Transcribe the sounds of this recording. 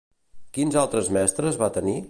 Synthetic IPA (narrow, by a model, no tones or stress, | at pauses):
kinzalˠt̪ɾəzmɛst̪ɾəzβat̪əni